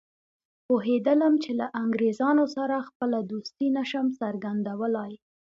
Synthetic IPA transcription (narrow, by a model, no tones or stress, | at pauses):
poɦed̪ələmt͡ʃelaʔaŋɡɾezɑnosaɾaxpəlad̪ust̪inaʃəmsaɾɡand̪awəlɑj